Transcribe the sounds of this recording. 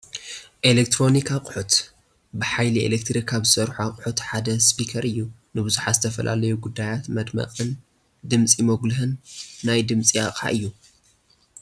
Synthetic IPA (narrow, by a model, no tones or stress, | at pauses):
ʔelek̚t̪ɾo̞nikʰaqʼʊħut̪ | bɨħajliḛlek̚t̪ɾikʰaβzɨsɐɾħaqʼħut̪ħad̪ɐspikʰɐɾɨjːu | nɨbɨzuħazɨt̪ʰɐfɐ̰lʔa̰lɐjuɡud̪ːajat̪mɐd̪mɐ̰qʼɨn | d̪ɨmt͡sʼimoɡlɨɦɨnːajd̪ɨmt͡sʼija̰kʼa̰ʔɨjːu